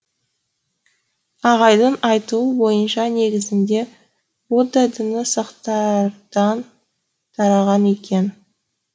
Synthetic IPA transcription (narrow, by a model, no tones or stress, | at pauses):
ɑʁɑjd̪ənɑjt̪uəbo̞jənʃɑne̞ɡʲɪzɪnd̪e̞ | wod̪ɑd̪ɪnɪsɑqt̪ɑɾd̪̥ɑn | t̪ʰɑɾɑʁɑne̞kʲʰe̞n